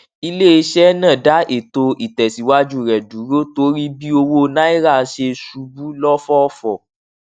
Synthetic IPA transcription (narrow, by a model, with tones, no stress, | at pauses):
i˧le˦i˧˦ʃɛ˦nã˦˨da˨˦ʔe˨to˧ʔi˨tɛ˨si˨˦wa˦d͡ʒu˦˨ɾɛ˨du˨˦ɾo˦to˧˦ɾi˦bi˦o˧wo˧nã˦i˦ɾa˦˨˦ʃe˧su˧bu˦lɔ˦fɔ˦ɔ˦fɔ˨